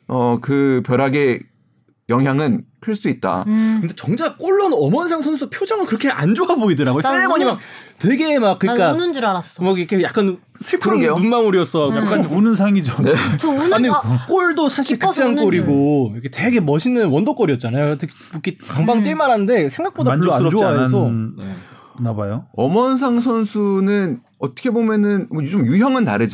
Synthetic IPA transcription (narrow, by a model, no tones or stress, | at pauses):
ʌkɯpjʌɾaɡe̞ | jʌŋɦjaŋɯnkʰɯɭs͈uit̚t͈a̰kɯnde̞t͡ɕʌŋd͡ʑak͈oɭːʌnʌmʌnsʰaŋsʰʌnsʰʌpʰjod͡ʑʌŋɯɭkɯɾʌkʰe̞ʔand͡ʑoaboidɯɾaɡojs͈emʌɲimak̚twe̞ɡe̞mak̚ːɯɲik͈annɾaɾasʌmakikʰejak͈an | sʰɯɭpʰɯɾoɡenunmaŋuɾiʌs͈ʌjak͈aunɯns̬ʰaŋid͡ʑoneouandek͈oɭdosʰaɕʰiɭkɯt͡ɕ͈aŋk͈oɾiɡojʌkʰete̞ɡe̞mʌɕʰinːɯnwʌndok͈oɾiʌt̚t͡ɕ͈anajotʰek | kʰekaŋbaŋt͈iɭmaɾɦanɯnde̞sʰe̞ŋɡak̚p͈odand͡ʑoaɾʌot͡ɕiaes̬ʰʌe | nabajoʌmʌns̬ʰaŋs̬ʰʌnsʰunɯn | ʌt͈ʌ̥kʰe̞bomjʌnɯnmʌt͡ɕomjuçjʌŋɯnta̰ɾɯd͡ʑ